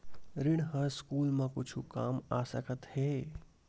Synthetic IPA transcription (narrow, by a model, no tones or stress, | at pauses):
ɾɪɽ̃ɦə̃skuːlmẽkʊt͡ʃʰukaːmasəkət̪heː